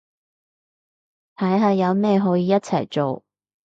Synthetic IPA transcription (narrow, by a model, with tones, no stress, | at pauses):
t̪ʰɐ˨˥jɦaː˨˧jɐ˨˧wmɛː˥˧ɦɔː˨˥jiː˨˧jɐ˥t̚t͡sʰɐ̰˨˩jt͡ʃo˨w